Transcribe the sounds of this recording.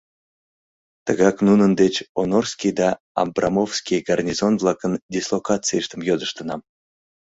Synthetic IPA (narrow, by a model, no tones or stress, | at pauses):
t̪əɣɑknunənd̪et͡ɕonorskʲijd̪ɑ | ɑ̰mbrɑmofskʲijɡɑrnʲizonvlˠɑkəndʲislˠokɑt͡sɨjəʃt̪əmjod̪əʃt̪ənɑm